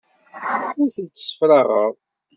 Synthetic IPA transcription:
ʊɾθənt̪ːsə̥fɾɑʁəʁˤ

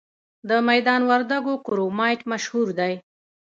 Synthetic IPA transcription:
d̪əmajd̪ɑnwaɾd̪aɡokʊɾomɑjʈmaʃhuɾd̪aj

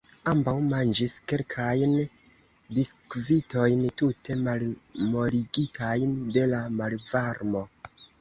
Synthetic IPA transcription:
ambawmand͡ʒiske̞lkʰajn | biskvito̞jntute̞malmo̞liɡitʰajnde̞lamalvaɾmo̞

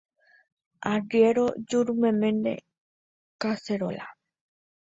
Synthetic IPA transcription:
aɖieɾod͡ʒuɾumemenḛ | kaseɾo̰la̰

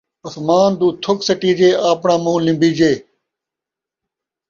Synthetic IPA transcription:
ʊsmaːnd̪uːt̪ʰʊksəʈiːd͡ʒeːaːpɳãːmũːlɪ̃mbiːd͡ʒeː

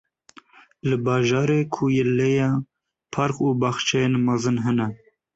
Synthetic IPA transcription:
lɨbɑːʒɑːɾeːkʰujɛlːejɑ | pʰɑɾquːbɑːxt͡ʃʰɛjenmɑzɨnɦɛnɛ

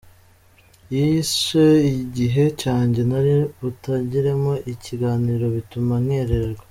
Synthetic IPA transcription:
jiʃeiɟiɦe̞caːɲɟe̞naɾiutaɟiɾe̞mo̞ʔiciɡaːniːɾo̞βitumanŋe̞ːɾe̞ɾeɾɡo

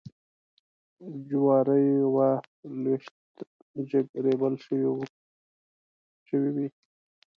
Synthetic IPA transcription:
d͡ʒwɑːɾəjwalweʃt̪ | ʒəɡɾebəlʃəwi | ʃəwiwi

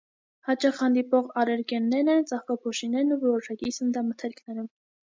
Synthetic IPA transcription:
hɑt͡ʃɑχhɑnd̪ipɔʁɑɾɛɾkɛnːɛɾnɛnt͡sɑχkɑpʰɔʃinɛɾnuvɔɾɔʃɑkisənd̪ɑmət̪ʰɛɾkʰnɛɾum

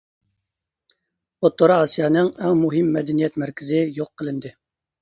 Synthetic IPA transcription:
ot̪ːoɾɑɑsijɑːnɨŋɛŋmuɦɪmːɛd̪ɛnijɛt̪mæɾkʲʰɪzɪjoqʰːəlˠɪnd̪ɨ

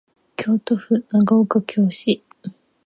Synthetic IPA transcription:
kʲʰoːt̪oɸɯ̟naɡaokakʲʰoːɕi

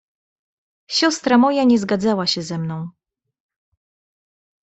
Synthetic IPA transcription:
ɕɔst̪ɾamɔjaɲɛzɡad̪zawaɕɛzɛmnɔ̃w̃

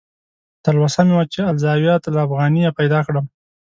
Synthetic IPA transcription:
t̪alwasamewat͡ʃealzɑwjɑt̪laːfɣɑnijapajd̪ɑkɽəm

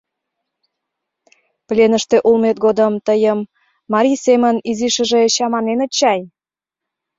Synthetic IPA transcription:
plʲenəʃt̪eʔulmet̪̚ɡod̪əmt̪əjəmː | ɑɾʲijseməniziʃə̆ʒeɕɑmɑnenət͡ɕɑj

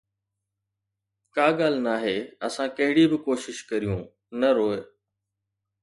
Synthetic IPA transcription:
kaːɡaːl̤naːɦeːɐsãkɐɦɪɽibɪkoːʃɪʃkɐɾijũː | nɐɾoːe

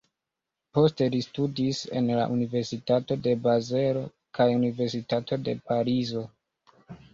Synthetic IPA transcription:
po̞ste̞listudise̞̰nla̰ʔunive̞ɾsitato̞de̞baze̞ɾo̞ | kʰajunive̞ɾsitatʰo̞de̞paɾizo̞

